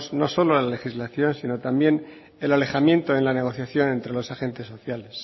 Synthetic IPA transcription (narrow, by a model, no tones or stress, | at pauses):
zno̞so̞lolale̞xizlaθjo̞nsino̞t̪ambje̞n | e̞lale̞xamjẽ̞nt̪oenlane̞ɣ̞o̞θjaθjo̞nẽ̞nt̪ɾe̞lo̞saxe̞nt̪e̞sːo̞θjale̞s